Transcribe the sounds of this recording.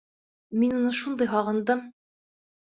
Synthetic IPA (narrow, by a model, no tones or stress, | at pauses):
minunɤʃund̪ɤjɦɒʁɤ̆nd̪ɤm